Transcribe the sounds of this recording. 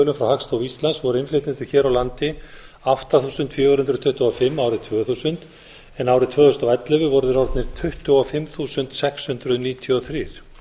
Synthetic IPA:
lʏmfɾawhakst̪owist̪lansvɔɾʏɪnflɪjt̪ɪnt̪ʏ̥çɛːɾawlant̪ɪ | aft̪aθuːsʏnt̪fjœːɣʏɾhʏnt̪ɾʏt̪ʰʏht̪ʏɔfɪmːaːwɾɪt̪ʰvœːθuːsʏnt̪ | ɛnaːwɾɪt̪ʰvœːθɔst̪aɛt̪lʏvʏvɔɾðʏɾawɾt̪nɪɾ̥t̪ʰʏht̪ʏwɔfɪmθuːsʏnt̪sɛkshʏnt̪ɾʏðniːt̪ʰjuɔθɾiːɾ̥

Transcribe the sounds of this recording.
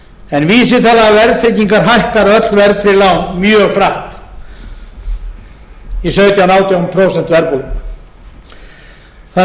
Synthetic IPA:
ɛnviːsɪθaðavɛɾðt̪ʰɾejciŋkaɾɦajhkaɾœt̪lvɛɾðt̪ʰɾɪlawnmjœːɣkʰɾaht̪ | isœɥt̪jawnaːwt̪janpʰɾowsɛnt̪vɛɾpu | θa

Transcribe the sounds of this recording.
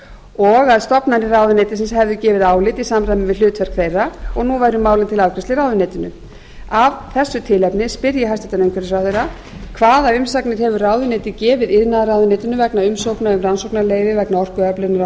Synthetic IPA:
ɔɣaðst̪ɔpnanɪraːwðʏneːjt̪ɪ̥sɛnshɛvðʏcɛːvɪðaːwlɪt̪isamrajmɪvɪðl̥ʏːt̪vɛr̥kθejrːaɔɣnuvajɾʏmːaːwlɪnt̪ʰɪlawkʰɾɛst̪ɪraːwðʏneːt̪ɪnʏ̰ | avθɛsːʏt̪ʰɪlɛpnɪspɪɾjɪɦast̪ɛt̪anejŋkʰvɛɾnɪsfɾawθejɾa | kʰvaːðaʏmsaknɪɾ̥hɛvʏraːwðʏneːt̪ɪcɛːvɪðɪðnaðɾaːwðʏneːt̪ɪnʏvɛknaʏmsowknaʏmransowpnaleːjvɪvɛknaɔr̥kʏœplɪɾnʏɾ

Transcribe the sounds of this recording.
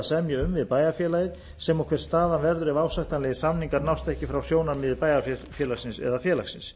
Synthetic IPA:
sɛmjʏʏmvɪðpaːjafjɛːlajɪð | sɛmawkʰvɛɾ̥st̪aːðanvɛɾðʏɾɛvaːwsaht̪anlɛjɪsamniŋkaɾnawst̪ɛhcɪfɾawsjoːwnaɾmɪðɪpaːjafjɛːlaksɪnsɛ̰ðafjɛːlaxsɪns

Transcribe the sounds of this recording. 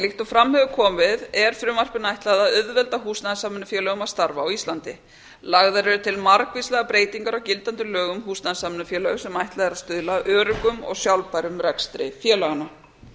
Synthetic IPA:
lɪht̪ɔfɾamhœvʏkʰɔːmvɪðɛɾ̥fɾʏːmar̥pɪnajht̪laðaʏðvɛlt̪aɦuːsnaðsaːmɪnʏfjɛːlœɣʏmavst̪aɾvaːwist̪ant̪ɪ | laɣðaɾɛɾʏt̪ʰɪlmaɾkvislɛɣapɾeːjt̪iŋkaɾawcɪlt̪ant̪ʏlœːɣʏmɦuːsnaðsaːmɪnʏfjɛːlœɣʏsɛmajht̪laðɛɾaðst̪ʏðlaʔœːɾʏkʏmɔ̰ɣsjawlpaɾʏmɾɛkst̪ɾɪ̰fjɛːlaɣana

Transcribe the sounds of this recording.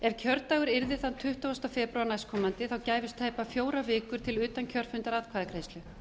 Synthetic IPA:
ɛvcʰœɾt̪aɣʏɾɪɾðɪθant̪ʰʏht̪ɔwst̪afɛːpɾʏanajskʰɔmant̪ɪθawcaːjvɪst̪ʰːaːjpafjoːwɾavɪːkʏɾ̥t̪ʰɪlʏːt̪ancʰœr̥fʏnt̪aɾaːðkʰvaːðkɾeːjst̪lʏ

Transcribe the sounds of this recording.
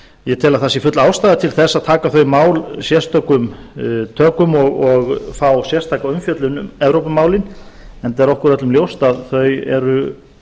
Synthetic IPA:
jɛt̪ʰɛːlaθasifʏt̪laːwst̪aːðɪt̪ʰɪlθɛsːaðt̪ʰaːkaθœɥmaːwlsjɛst̪œkʏmt̪ʰœːkʏmɔɣɔɣfawsjɛ̥st̪ʰajkaʏmfjœt̪lʏnʏɛvɾowpʏmaːwlɪnɛnt̪ɛɾɔhkʏɾœt̪lʏmljowst̪aðθœɥɛ̰ɾʏ

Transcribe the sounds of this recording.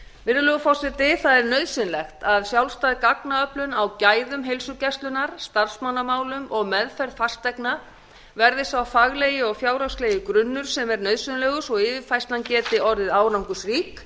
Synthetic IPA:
vɪɾðʏlœɣʏfɔwsɪt̪ɪθaðɛɾnœɥðsɪnlɛxt̪aðsjawlst̪aːðɪkaknaœplʏnawcaːjðʏmɦelsʏcɛst̪lʏnaɾ̥st̪aɾ̥smanːamaːwlʏmʔɔɣmɛðfɛɾðfast̪ɛjkna | vɛɾðɪsawfaɣleːjɪɔɣfjaːwɾawsleːjɪkɾʏnːʏɾ̥sɛmɛɾnœɥðsɪnlɛːɣʏsɔɣɪːvɪfajst̪ancɛːt̪ɪɔɾðɪðaːwɾawŋkʏsriːk

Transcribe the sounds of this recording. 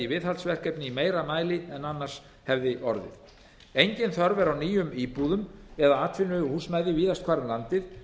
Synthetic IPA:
ivɪðhalt̪svɛr̥kɛpnɪimeːjɾamaːjlɪɛnanːar̥s | hɛvðɪʔɔɾðɪ̰θ | ejɲcɪnθœɾvɛɾawniːjʏmiːpuðʏmɛðaaːt̪ʰvɪnːʏhuːsmajðɪviːðast̪kʰvaːɾnlant̪ɪð

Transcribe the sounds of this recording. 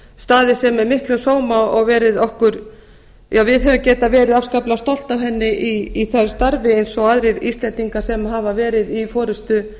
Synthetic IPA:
st̪aːðɪsɛmɛɾmɪhklʏsoːwmaɔɣvɛːɾɪðɔhkʏɾ | jaːwvɪðɦɛvʏmcɛːt̪avɛːɾɪðafskaplast̪ɔl̥t̪avɦɛnːɪʔiiθḁst̪aɾvɪejnsɔaːðɾɪɾḭst̪lɛnt̪iŋkḁsɛmɦaːvavɛːɾɪðifɔːɾʏst̪ʏ

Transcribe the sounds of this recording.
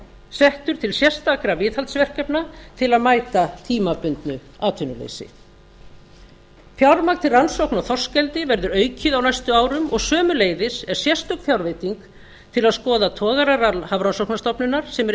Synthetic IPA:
sɛht̪ʏɾ̥t̪ʰɪlsjɛr̥st̪akɾavɪːthalt̪svɛr̥kɛpnat̪ʰɪlaðmaːjt̪at̪ʰiːmapʏnt̪nʏ | aːt̪ʰʏnʏlḛjsɪ̰ | θjawɾmak̚t̪ʰɪlransowhknaθɔ̥scɛlt̪ɪvɛɾðʏɾœːɥcɪðawnajst̪ʏaːwɾʏmɔɣsœːmʏleːjðɪsɛɾ̥sjɛst̪ʏk̪fjawɾveːjt̪iŋk | t̪ʰɪlaðskɔːðat̪ʰɔːɣaɾaralhavɾansowknast̪ɔpnʏnaɾ̥sɛmɛ

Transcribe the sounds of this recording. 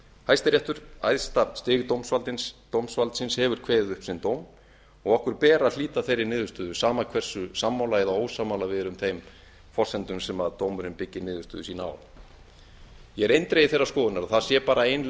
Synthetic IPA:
hajst̪ɪɾjɛht̪ʏɾ̥a̰jðst̪ast̪ɪːɣt̪owmsvalt̪ɪnst̪owmsvalt̪sɪnshɛvʏɾ̥kʰvɛːðɪðʏhpsɪnt̪oːwm | ɔɣɔhkʏɾ̥pɛːɾaliːt̪aθejɾːɪnɪːðʏst̪ʏːðʏsaːmakʰvɛr̥sʏsamːawlaɛðaoːwsamawlavɪðɾʏmθejm | fɔr̥sɛnt̪ʏmsɛmaðt̪owmʏɾɪnpɪcːɪnɪːðʏst̪ʏ̰ːðʏsiːnaa̰w | jɛɛɾejnt̪ɾejɪθejrːḁskɔːðʏnaɾaðθaðsjɛpaːɾaejnl

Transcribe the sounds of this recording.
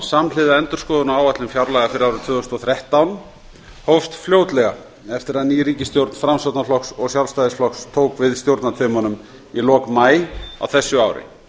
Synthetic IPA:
samlɪðaɛnt̪ʏɾ̥skɔːðʏnaaːwvat̪lɪmfjaɾlɛɣafɪɾɪɾawɾʏt̪ʰvʏːðʏst̪ɔθɾjɛht̪awn | howfst̪fljoːwt̪lɛɣa | ɛft̪ɪɾaðniːɾiːcɪst̪jowɾt̪nfɾamsɔwt̪naflɔksɔɣsjawlst̪ajðɪsflɔxst̪ʰowkvɪðst̪jowɾt̪nat̪ʰvɪmanʏm | ilɔːkmaːja̰wθɛsːʏawɾɪ̰

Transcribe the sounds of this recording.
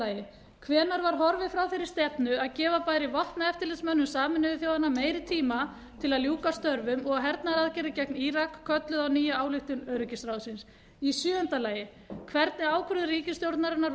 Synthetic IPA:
aːjɪ | kʰvɛːnaɾvaɾ̥ɦɔɾvɪfɾawθejɾɪɾ̥st̪ɛpnʏaðcɛːvapaːjɾɪvɔht̪naɛft̪ɪlɪsmœnːʏmsaːmɪnʏɪθjoːwðanːameːjɾɪt̪ʰiːma | t̪ʰɪlaðljuːkast̪œɾvʏmɔɣaɦɛɾt̪naɾaðcɛɾɪcɛkniːɾakʰːœt̪lʏðawniːjaaːwlɪxt̪ʏnœɥɾʏcɪsɾawðsɪns | isjʏːʏn̥t̪alaːjɪ | kʰvɛɾt̪nɪaːwkʰɾʏðɾiːcɪst̪jowɾt̪naɾɪnaɾ

